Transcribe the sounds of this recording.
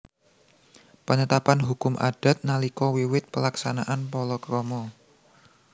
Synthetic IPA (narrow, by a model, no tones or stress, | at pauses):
pənət̪apanɦukʊmʔa̰d̥a̤t̪̚nalikɔwiwɪt̪̚pəlaksanaʔanpɔlɔkɾɔmɔ